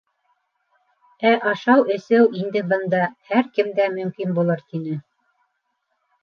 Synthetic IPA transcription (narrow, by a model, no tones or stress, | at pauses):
æʔɑʃɑwɘ̆sɘwʔind̪ɘbɤ̆nd̪ɑhæɾkɘmd̪æmɵ̆mkinbulˠɤɾt̪inɘ